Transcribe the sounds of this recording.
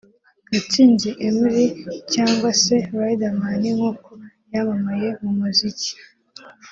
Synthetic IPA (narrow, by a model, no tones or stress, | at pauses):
ɡatiːɲɟeʔemiɾicaːŋɡwase̞ɾaidamaniŋhuko | jamamajemumuzici̥